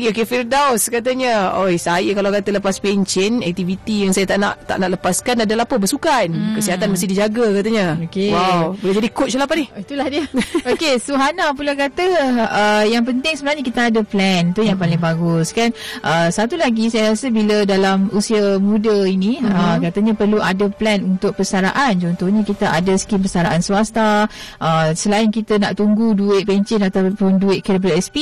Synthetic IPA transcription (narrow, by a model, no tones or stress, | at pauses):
ɡiokefirdawskat̪̬aɲəojsajəkalawkat̪ələpaspeɲt͡ʃɪnɛ̰k̚t̪ivit̪ijaŋsajat̪aʔna̰ʔt̪a̰ʔnaʔləpaskanadalapəbəsukankəsiɦat̪anməst̪ɪhdid͡ʒaɡakat̪aɲəokewawbəled͡ʒadikot̚t͡ʃalapanihit̪ulahdiəokesoɦanapulakat̪əəjaŋp̬ənt̪ɪŋsəbənarɲəkit̪aːdəplɛnt̪ujaŋpalɪŋbaɡʊskanʔəsat̪ulaɡisajaɾasəbilədalamusiamudəiniəkat̪əɲəpərluʔadəplɛnunt̪ʊk̚pəsaɾaʔant͡ʃɔnt̪ɔhɲəkit̪aʔadəsə̥kimpəsaɾaʔansuast̪aʔəsəlaɪnkit̪ənaʔt̪uŋɡuduɪʔ̪̚pɛɲt͡ʃɛnat̪apʊnduɪt̪̚kəɾəp̬ləɛspi